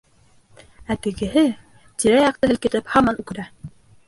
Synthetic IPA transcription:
æt̪ɘ̆ɡɘ̆ɦɘ | t̪iɾæjɑq̚t̪ɤɦɘ̆lkɘ̆t̪ɘphɑmɑnʉkɘ̆ɾæ

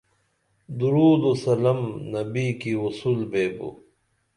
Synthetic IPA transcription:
d̪uɾuːd̪osɐlɐmnɐbikiusuːlbeːbṵ

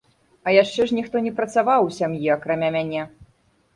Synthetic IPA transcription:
ɐjaʂt͡ʂɛʐnʲixt̪ɔnʲɛpɾɐt̪savawsʲamjiakɾamʲamʲanʲɛ

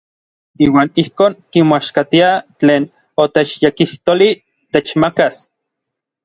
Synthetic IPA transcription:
iːwaːnihkoːŋkimoaʃkat̪iat͡ɬeːn | ot̪et͡ʃjekiht̪oli | t̪et͡ʃmakas

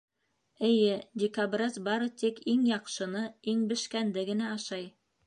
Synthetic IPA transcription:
ɘ̆jɘdʲɪkabrɑzbɑɾɤt̪ikiŋjɑqʃɤ̆nɤiŋbɘ̆ʃkænd̪ɘɡɘ̆næɑʃɑj

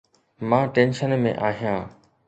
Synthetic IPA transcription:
mãːʈẽːnʃənmḛ̃ʔaːɦijãː

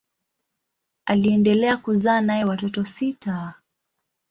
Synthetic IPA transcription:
aliɛndɛlɛakuzaːnajɛwatɔtɔsitʰa

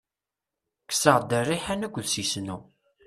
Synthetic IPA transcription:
kːə̥səʁd̪ərːiħænækʷːðsisnu

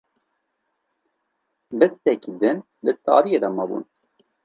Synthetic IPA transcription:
bɛst̪ɛkid̪ɨn | lɨt̪ɑ̰ːɾijed̪ɑmɐbṵn

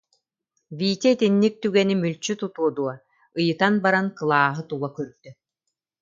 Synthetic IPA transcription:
viːt̪ɛit̪inːik̚t̪yɡɛnimylʲt͡ɕyt̪ut̪uɔd̪uɔ | ɯjɯt̪anbaɾankɯlˠaːɦɯt̪ulˠɐkyɾd̪̥y

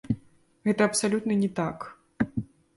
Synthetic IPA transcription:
ɣɛt̪ɐɐpsalʲut̪nɐnʲɛt̪ak

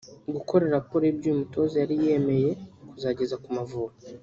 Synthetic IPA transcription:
ɡuko̞ɾe̞ɾapoɾebɟuːmuto̞zejaɾije̞me̞je̞kuzaːɟe̞zakumavua

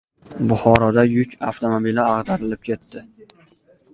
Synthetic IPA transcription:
bʊχɒɾɒd̪ajʊkʲʰa̰ft̪ʰomobilɪɑʁd̪aɾɪlɪp̚kʲʰe̞t̪ʰːɪ

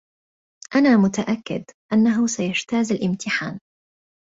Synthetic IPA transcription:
ʔanaːmʊt̪aʔakːɪ̰d̪ʔanːaɦʊsajaʃt̪aːzalʔɪmt̪ɪħa̰ːn

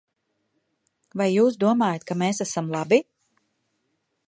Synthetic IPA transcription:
vajːuːsd̪uɔmaːjat̪̚kameːsasamlˠabi

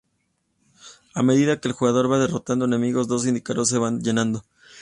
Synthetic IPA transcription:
ame̞ðiðake̞ːlxuɣað̞o̞ɾβað̞e̞ro̞t̪and̪o̞ene̞miɣo̞zd̪o̞s̬ind̪ikaɾo̞s̬ːe̞βanʝe̞nãnd̪o̞

